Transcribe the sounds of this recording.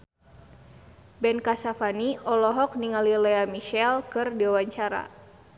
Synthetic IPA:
bɛnkasafaniɔlɔɦɔk̚niŋalilɛamiʃɛlkɨrdiwawaɲt͡ʃaɾa̰

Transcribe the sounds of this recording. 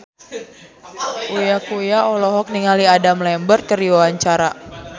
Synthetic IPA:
ʔujakujaɔlɔɦɔk̚niŋaliadamlɛmbərkəɾiwawaɲt͡ʃaɾa

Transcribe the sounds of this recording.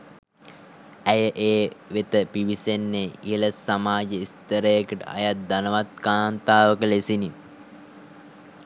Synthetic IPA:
æjəʔeːʋet̪əpiʋisenːeiɦələsamaːd͡ʒəist̪əɾəjəkəʈə̰a̰jat̪̚d̪anəʋat̪kaːnt̪aːʋəkəlesini

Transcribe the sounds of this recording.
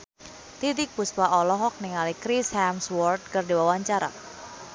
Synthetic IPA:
t̪it̪ɪk̚pust̪aʔɔlɔɦɔk̚niŋalikɾishamswɔrd̪̚kɨrdiwawaɲt͡ʃaɾa̰

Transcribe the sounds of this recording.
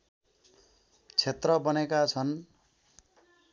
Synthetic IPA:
t͡sʰet̪rʌbʌnekat͡sʰʌn

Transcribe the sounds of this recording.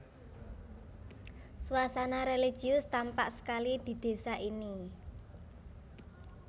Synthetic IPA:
suasanaɾeli̥ʒ̥i̤ʊst̪ampa̰ʔsə̥kalid̪̥i̤d̪̥e̤saʔini

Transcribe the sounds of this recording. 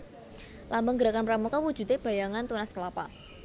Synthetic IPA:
lambəŋɡəɾakanpɾamukawud̥ʒ̥ṳt̪eb̥a̤jaŋant̪unaskəlapa̰

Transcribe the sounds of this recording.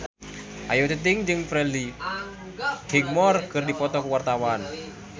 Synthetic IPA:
ʔa̰jot̪ət̪ɪŋd͡ʒɨŋfɾɛli | hiŋ̚mɔrkɨrdipɔt̪ɔkəwart̪awan

